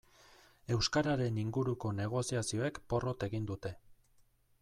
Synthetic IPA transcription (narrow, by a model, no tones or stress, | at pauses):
e̞wskaɾaɾe̞niŋɡuɾuko̞ne̞ɣ̞o̞siasio̞e̞kpo̞ro̞t̪e̞ɣind̪ut̪e̞